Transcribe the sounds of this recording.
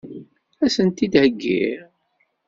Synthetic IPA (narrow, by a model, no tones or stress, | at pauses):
æsənt̪id̪həɡːḭɾ